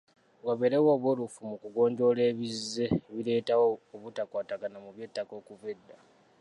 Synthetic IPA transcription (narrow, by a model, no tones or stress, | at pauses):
waβe̞ɾewo̞ːβwolufumukuɡo̞ːɲɟo̞le̞ːβizːe̞βile̞ːtawoːβutakwaːtaɡanamuβje̞ːtːako̞ːkuβedːa